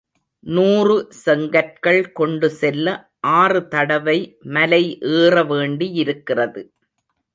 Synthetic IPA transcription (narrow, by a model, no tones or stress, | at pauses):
nuːrɯsɛŋɡɐrkɐɭkɔɳɖɯsɛlːɐ | ʔaːrɯt̪ɐɽɐʋɐɪmɐlɐɪʔeːrɐʋeːɳɖijɪɾɯkːɪrɐðɯ